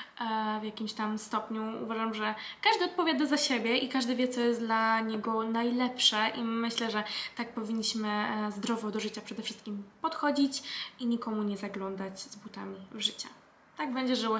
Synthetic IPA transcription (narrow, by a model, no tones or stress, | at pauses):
vʲjakʲimɕt̪amst̪ɔpɲuṵvaʐamʐɛkaʐd̪ɘɔt̪̚pɔvʲjad̪azaɕebʲjɛʔikaʐd̪ɘvʲjɛt̪sɔjɛst̪d̪laɲɛɡɔnajlɛpʂɛʔimɘɕlɛʐɛt̪ak̚pɔvʲiɲːiɕmɘzd̪ɾɔvɔd̪ɔʐɘt͡ɕapʂɛd̪ɛfʂɘst̪kʲimpɔt̪xɔd͡ʑit͡ɕiɲikɔmuɲɛzaɡlɔnd̪at͡ɕzbut̪amʲivʐɘt͡ɕa | t̪aɡ̚bɛɲd͡ʑɛʐɘwɔ